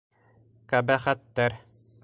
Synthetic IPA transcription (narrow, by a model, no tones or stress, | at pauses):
kæbæχæt̪ːæɾ